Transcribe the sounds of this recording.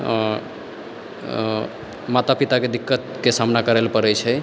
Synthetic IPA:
mat̪apit̪aked̪ikːət̪kesamnakəɾelpəɾɛjt͡ʃʰɛ

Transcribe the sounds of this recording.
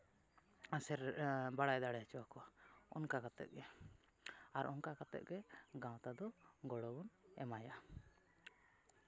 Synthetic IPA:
asɛɾbaɽajd̪aɽɛt͡ʃɔwakɔwaɔ̰nkakat̪ɛ̰ʔ̪̚ɡɛ | aɾʔɔnkakat̪ɛ̰ʔ̪̚ɡɛɡãwt̪ad̪ɔɡɔɽɔbɔnɛmaja

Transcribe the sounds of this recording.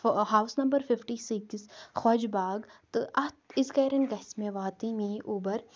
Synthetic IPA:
ɦaːwsnɐmbəɾfɪfʈiːsɪksxɔːd͡ʒbaːɡt̪ɨʔɐt̪ɪzkɛːɾɐnɡɐsmẽʋaːt̪imĩːʔuːbɐɾ

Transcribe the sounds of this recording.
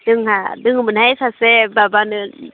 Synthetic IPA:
d̥ɯŋhadɯŋmɯnhajsasebabanɯ

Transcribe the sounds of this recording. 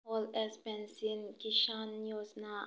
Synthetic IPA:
ɔlɛsbɛ̃nsĩnkiʃãnːjusna

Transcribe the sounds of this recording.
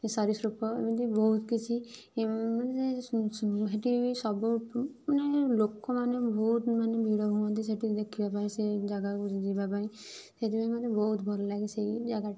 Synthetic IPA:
esaɾisɾupɔḛmit̪ibɔɦut̪kit͡ʃʰi | mae | ɦeʈisɔbumanelokɔmanebɔɦut̪manebʱiɽɔɦuɔ̃nt̪̬iseʈid̪ekʰibapaĩsed͡ʒaɡakud͡ʒibapaɾĩ | seʈibaimad̪ebɔɦut̪bʱɔlɔlaɡiseid͡ʒaɡaʈ

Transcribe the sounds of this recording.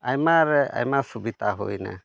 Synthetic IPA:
ajmaɾɛa̰jmasubit̪aɦo̰jna̰

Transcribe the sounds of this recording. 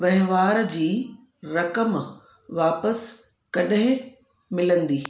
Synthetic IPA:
ʋɐɦɪ̃ʋaːɾd͡ʑiː | ɾɐkəm | ʋaːpəs | kɐɗɦɪ̃ | mɪlə̃nd̪iː

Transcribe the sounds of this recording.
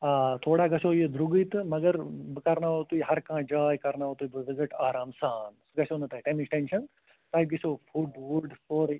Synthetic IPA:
aːt̪ʰoːɽaːɡɐsoːjed̪ɾuɡit̪ɨmɐɡɐɾbɨkɐɾnaːoːt̪uːiɦɐɾkãːd͡ʒaːjkɐɾnaːot̪uibɨʋɪzɪʈaːɾaːmsaːnsɡɐsoːnɐt̪aːiʈeːmit͡ʃʈenʃɐn | t̪aːiɡɪsoːfʰuɖʋuɖsoːɾi

